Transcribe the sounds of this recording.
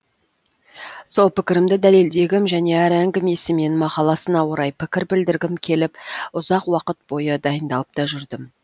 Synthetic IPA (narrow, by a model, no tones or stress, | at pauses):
so̞lˠpɪkʲɪɾɪmd̪ɪd̪æle̞ld̪e̞ɡʲɪmʒæne̞æɾæŋɡʲɪme̞sɪme̞nmɑqɑlˠɑsənɑwoɾɑjpʰɪkʲɪɾbɪld̪ɪɾɡʲɪmkʲʰe̞lɪpʊzɑqwɑqət̪̚bo̞jəd̪ɑjənd̪ɑlˠəp̚t̪ɑʒʏɾd̪ɪm